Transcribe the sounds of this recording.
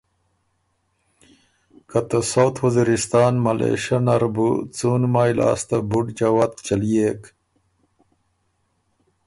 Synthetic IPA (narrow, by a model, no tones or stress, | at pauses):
kɐt̪ɐsowt̪ʰwɐziɾist̪aːnmɐlʔḛːɕɐnɐɾbut͡suːnmaːjla̰ːst̪abuɖd͡ʑawat̪̚t͡ɕɐlijek